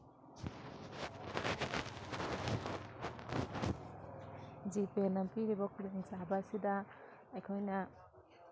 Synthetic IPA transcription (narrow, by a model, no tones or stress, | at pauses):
d͡ʒipelɐmpiɾibɐkulŋsabasidɐː | jkʰojnɐ